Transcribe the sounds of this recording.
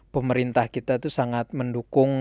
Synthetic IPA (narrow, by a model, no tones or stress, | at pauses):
pəməɾint̪ahkit̪at̪usaŋat̪̚məndukʊŋ